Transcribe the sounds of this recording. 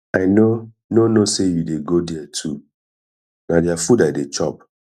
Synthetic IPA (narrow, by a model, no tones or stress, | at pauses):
aɪno | nonosejudeɡodɛɛtʰu | nadjafudaɪdet͡ʃɔp̚